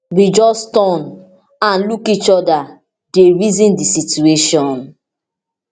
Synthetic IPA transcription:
wid͡ʒɔstɔ̃n | ãnlukit͡ʃɔda | deɹizĩndisitueʃɔ̃n

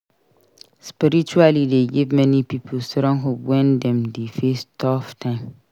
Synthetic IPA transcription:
spiɾit͡ʃualideɡivmɛ̃nipipʰəlsɾɔ̃ŋɦopwɛ̃ndɛ̃mdefestʰɔftʰãm

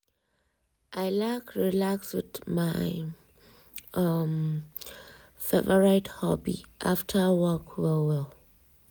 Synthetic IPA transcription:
ʔaɪlakʰɹilakswɪðmaɪ | ʌm | fɛvəɹaɪthɔbḭʔa̰ftʰəwɔkʰvəwɛl

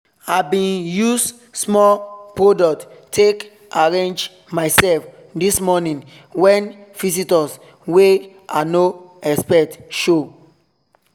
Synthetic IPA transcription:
abĩnjus | smɔlpɹodɔk̚ttʰːek | aɹẽnd͡ʒ | maɪsɛlf | dismɔnĩn | wɛ̃nvis̬itɔs | we | ʔa̰noɛkspɛtʃo

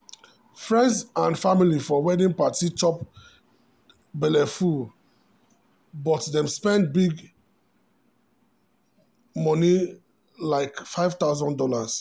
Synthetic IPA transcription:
fɹɛ̃ndsãnfamilifɔwɛdĩŋpatit͡ʃɔp | bɛlɛfu | bɔtdɛ̃mspɛ̃ndbiɡ | mɔni | laɪkfaɪvt̪aʊzɔ̃ndɔlas

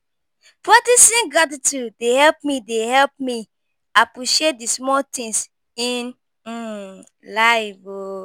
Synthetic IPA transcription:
pɹak̚tisĩnɡatitudehɛlp̚midehɛlp̚mi | apɹiʃiet̚dismɔltĩŋs | in̩ | laɪvo

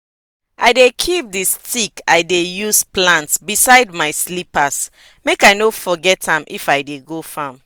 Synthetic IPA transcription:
ʔaɪdekʰip̚distʰikajdejusplãntsbisaɪdmaɪslipas | mekaɪnofɔɡɛtʰãmʔḭfaɪdeɡofãm

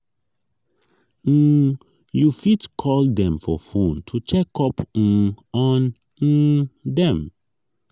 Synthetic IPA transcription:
jufitkʰɔld̪ɛ̃mfɔfũntʰut͡ʃɛkɔpŋ̩ɔn̩ | dɛ̃m

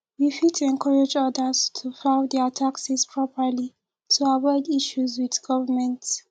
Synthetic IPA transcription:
wifitʰɛ̃nkʰɔɹed͡ʒɔdəstʰufãʊdɛətʰaksispʰɹɔpəli | tʰuavɔɪdiʃuzwiðɡ̥ɔvəmɛ̃nt

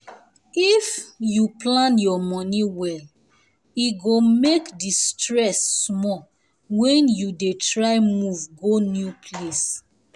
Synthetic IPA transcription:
ifjuplãnjɔmɔniwɛl | iɡomekdistɹɛsːmɔ | wɛ̃njudetɹaɪmuvɡonjupʰles

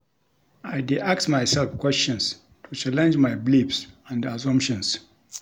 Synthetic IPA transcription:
ʔajdiʔaksmajsɛlfkwɛst͡ʃɔ̃ns | tʰut͡ʃalɛ̃nd͡ʒmajblibsãndasɔ̃mpʃɔ̃ns

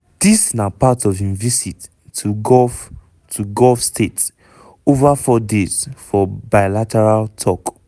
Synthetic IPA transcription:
d̥isnapatɔvĩnvisit | uɡɔf | tʰuɡɔlfstet | ovafɔdez̥fɔbaɪlatɛɹaltʰɔk

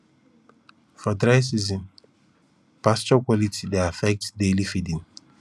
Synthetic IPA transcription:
fɔdɹajs̬izĩn | past͡ʃɔkwɔlitideafɛk̚tsdelifidĩŋ

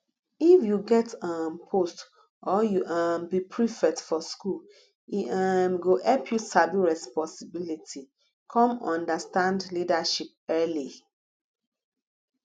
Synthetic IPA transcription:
ifjuɡɛtãnpʰost | ʔɔjuʔambipʰɹifɛtfɔskul | iamɡoʔɛlpʰjusabiɹɛspɔ̃nsibilitʰi | kʰɔ̃mɔ̃ndastãndlidaʃip̚ɛli

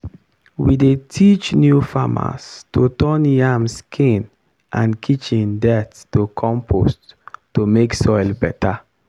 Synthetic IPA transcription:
widetʰit͡ʃnjufama̰stotɔnjamskʰĩn | ãnkʰit͡ʃĩndɛtstokʰɔ̃mpʰo̰stːomeksɔɪlbɛtʰa

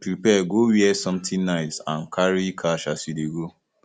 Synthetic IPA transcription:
pɾipɛɡowiɛsɔ̃mtĩnnaɪsãnkʰaɹikʰaʃasideɡo

